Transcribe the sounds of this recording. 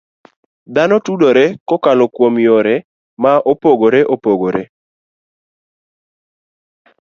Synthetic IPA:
d̪anɔtudoɾɛkɔkalɔkwomjoɾɛ | maʔopoɡoɾɛʔopoɡoɾe

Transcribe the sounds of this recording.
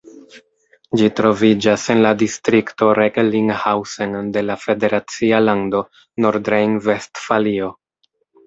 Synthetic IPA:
d͡ʒitɾo̞vid͡ʒase̞nladistɾikto̞ɾeɡliŋhawsende̞lafe̞de̞ɾat͡sialando̞ | noɾdɾejnve̞stfalio̞

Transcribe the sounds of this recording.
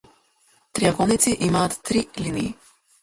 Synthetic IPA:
t̪ɾiaɡɔnit̪siʔimaːt̪ːɾiliniː

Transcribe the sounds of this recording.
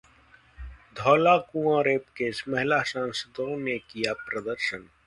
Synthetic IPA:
d̪ʱɔːlakũːãːɾeːpkesmɐɦɪlasãːnsəd̪õnekijapɾɐd̪əɾʃən

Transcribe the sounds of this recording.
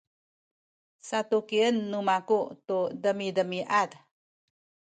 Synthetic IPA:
sat̪ukiənːumakutudəmidəmiʔad

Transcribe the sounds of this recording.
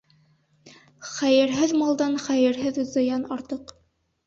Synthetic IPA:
χæjɘ̆ɾɦɘðmɑlˠd̪ɑnχæjɘ̆ɾɦɘðzɤ̆jɑnɑɾt̪ɤq

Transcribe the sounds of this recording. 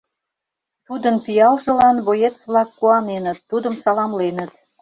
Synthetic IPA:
t̪ud̪ənpijɑlʒə̆lɑnβojet͡sβlɑkːuɑnenə̆t̪ːud̪əmsɑlɑmlenə̆t̪

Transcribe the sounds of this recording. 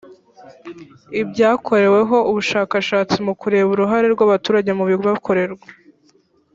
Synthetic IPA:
ibɟaːkʰo̞ɾe̞we̞ɦo̞ʔuβuʃaːkaʃaːt͡simukuɾe̞βuɾuɦaɾe̞ɾɡwaβatuːɾaɟe̞muβiɡβakʰo̞ɾe̞ɾɡwa

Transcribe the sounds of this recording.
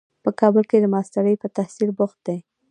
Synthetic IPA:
pəkɑbəlked̪əmɑst̪aɾəjpət̪ahsilbʊxt̪̚d̪ej

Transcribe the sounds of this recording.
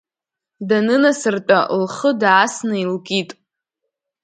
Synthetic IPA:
danɨnasɨrtʷʼalχədʕasnɨilkʼitʼ

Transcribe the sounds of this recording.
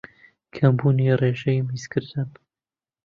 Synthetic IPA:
kʰɐmbuːnireːʒɛjmiːskʰɨɾd̪ɨn

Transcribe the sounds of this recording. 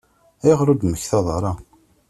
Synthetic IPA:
æjʁɾʊd̪məçθɑðˤɑɾˤɑ

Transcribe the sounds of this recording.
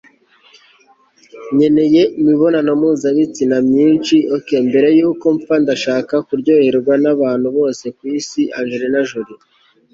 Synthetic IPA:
ɲe̞ne̞je̞imiβo̞nanomuːzaβit͡sinamɲiːnt͡ʃioke̞mbe̞ɾe̞juːko̞ɱpandaʃaːkakuɾɟo̞ːheɾɡwanaβaːn̥huβo̞ːse̞kwiːsiʔaŋɡeɾenaʒuɾi

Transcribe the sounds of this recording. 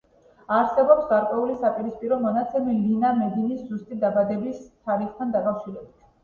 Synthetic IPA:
aɾsɛbɔpsɡaɾkʼwɛulisapʼiɾispʼiɾɔmɔnat̪sʰɛmilinamɛd̪iniszust̪ʼid̪abad̪ɛbist̪ʰaɾiχt̪ʰand̪akʼafʃiɾɛbit̪ʰ

